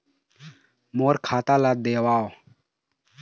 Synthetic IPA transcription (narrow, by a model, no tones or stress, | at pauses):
moːɾkʰaːt̪aːlaːd̪eːwaːo